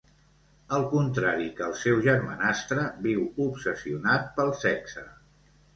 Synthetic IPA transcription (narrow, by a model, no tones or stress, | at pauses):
əlˠkunt̪ɾaɾikəːlˠsɛwʒəɾmə̰nast̪ɾəbiwupsəsiunat̪̚pəlˠsɛksə